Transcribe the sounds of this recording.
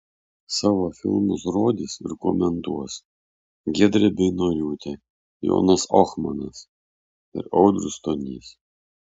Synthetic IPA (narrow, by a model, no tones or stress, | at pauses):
sɑːʋoːfʲɪ̰lˠmʊsɾoːd̪ʲisɪ̰ɾkomʲɛnt̪uɔs | ɡʲiɛd̪ʲɾʲɛbʲɪnoːlʲuːt̪ʲɛ | jo̰ːnɐsɔxmɐnɐs | ɪ̰ɾɔʊd̪ɾʊst̪onʲḭːs